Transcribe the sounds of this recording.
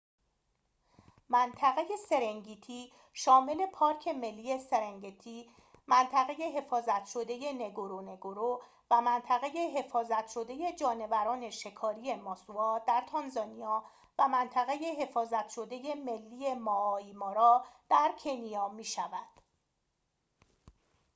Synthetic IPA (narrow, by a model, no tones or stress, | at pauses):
mænt̪ʰæɣe̞je̞se̞ɾeŋɟiːt̪ʰiː | ʃɒːme̞le̞pʰɒːɾcʰe̞me̞lːije̞se̞ɾeŋɟit̪ʰiː | mænt̪ʰæɣe̞je̞ɦe̞fɒːzæt̪ʰʃo̞d̪e̞je̞ne̞ɡoɾone̞ɡoɾo | væmænt̪ʰæɣe̞je̞ɦe̞fɒːzæt̪ʰʃo̞d̪e̞je̞d͡ʒɒːne̞væɾɒːne̞ʃe̞kʰɒːɾije̞mɒːsuɒːd̪æɾt̪ʰɒnzɒːniɒː | væmænt̪ʰæɣe̞je̞ɦe̞fɒːzæt̪ʰʃo̞d̪e̞je̞me̞lːiːje̞mɒːimɒːɾɒːd̪̥æɾcʰe̞nijɒːmiːʃævæd̪̥